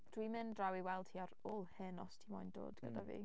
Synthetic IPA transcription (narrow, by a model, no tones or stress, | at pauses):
d̥wimɪndrawiwɛlˠd̥hiaɾolˠhɨnɔstʰimɔjndo̰ːdɡ̥ə̰davḭː